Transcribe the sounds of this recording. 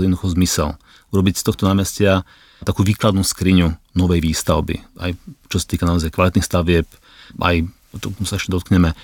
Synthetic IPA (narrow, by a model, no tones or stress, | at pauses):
jɛdnd̪uxɔzmisɛ̰l | uɾɔbicst̪ɔxt̪ɔnaːmɛscɪa | t̪akuːʋiːklad̪nuskɾiɲunɔʋɛjʋiːst̪aʊbḭa̰jt͡ʃɔsḁt̪iːkanaɔzajkʋalit̪nixst̪aʋɪɛp | ʔa̰j | t̪ɔmusaɛʃcɛd̪ɔt̪kɲɛmɛ